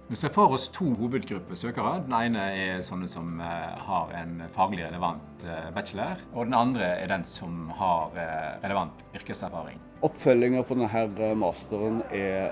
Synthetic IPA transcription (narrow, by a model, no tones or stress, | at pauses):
mɛnsɛfoːɾɔst̪ʰuːɦuːʋəd̪ɡɾʉpːəsøːkɑʁəd̪ɛnæɪnəɛsɔnːəsɔmhɑɾɛ̰nfɑːɡlɪɾɛləʋɑnt̪bæt͡ʃələɾɔd̪ɛnɑnd̪ɾəɛ̰d̪ɛnsɔmhɑɾɾɛləʋɑnt̪ʏɾkəsæɾfɑːɾɪ̰ŋ | ɔpfœlɪŋəpʰɔd̪ɛnɦæːɾəmɑːst̪əɾənɛ